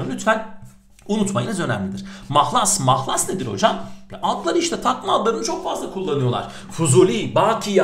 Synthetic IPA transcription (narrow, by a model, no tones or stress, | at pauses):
lʲyt̪vælʲ | unut̪majinʲazø̞nɛmlʲid̪iɾ̥maxlˠasmaxlˠasned̪iɾo̞̰d͡ʒamjɛʔalˠk̪lˠaɾɯiʃt̪ʰɛt̪ʰakmaalˠːaɾɯnɯt͡ʃʰo̞kfazlˠakʰulˠːanɯjo̞lˠa̰ɾ̝̥ | fuzulʲibaːkʰija